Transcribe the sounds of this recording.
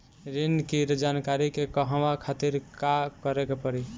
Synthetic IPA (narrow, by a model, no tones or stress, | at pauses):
ɾinkiɾd͡ʒankaɾikekəɦəʋakʰat̪iɾkakəɾekepəɾi